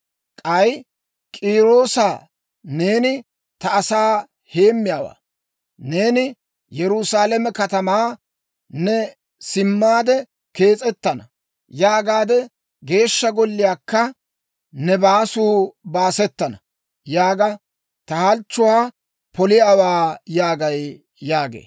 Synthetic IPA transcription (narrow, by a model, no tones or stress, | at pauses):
kʼɐj | kʼiːɾo̞ːsaː | neːnɪ | t̪ɐːsaː | he̞ːmːɪjaːwa̰ː | neːnɪ | jɛɾʊsaːlɛmɛkɐt̪ɐmaː | nɛ | sɪmːaːd̪ɛ | ke̞ːt͡sʼɛt̪ːɐnɐ | jaːɡaːd̪ɛ | ɡe̞ːʃːɐɡɔlːɪjaːkːɐ | nɛbaːsuːbaːsɛt̪ːɐnɐ | jaːɡɐ | t̪ɐhɐlt͡ʃːʊwaː | pɔlɪjaːwaːjaːɡɐj | jaːɡḛː